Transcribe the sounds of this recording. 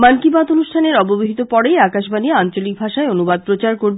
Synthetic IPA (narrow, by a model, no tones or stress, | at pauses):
mankibat̪onuʃʈʰaneɾɔboboɦit̪opɔɽejakaʃbanieant͡ɕolik̚bʱaʃaeonubad̪̚pɾot͡ɕaɾkoɾb